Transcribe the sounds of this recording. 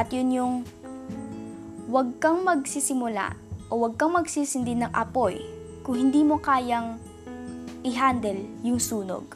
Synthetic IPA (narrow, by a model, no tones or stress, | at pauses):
ʔɐt̪jʊnjʊŋ | wɐɡ̚kɐŋmɐɡ̚sisɪmʊla̰ʔowɐɡ̚kɐŋmɐɡsiːsɪnd̪ɪnɐŋʔɐpo̞j | kʊŋhɪnd̪iːmo̞kaːjɐŋ | ʔɪɦand̪ɛljʊŋsuːno̰ɡ̚